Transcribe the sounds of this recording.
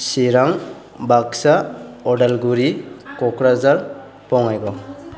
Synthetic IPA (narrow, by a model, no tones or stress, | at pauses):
siɾaŋ | baksaɔɖalɡuɾikɔkɾazaɾ | pɔŋajɡɔ